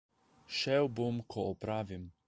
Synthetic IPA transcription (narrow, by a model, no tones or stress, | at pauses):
ʃɛwbomkʰɔɔpɾaːvim